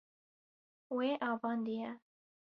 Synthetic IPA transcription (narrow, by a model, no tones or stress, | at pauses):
weːʔɑːvɑːnd̪ijɛ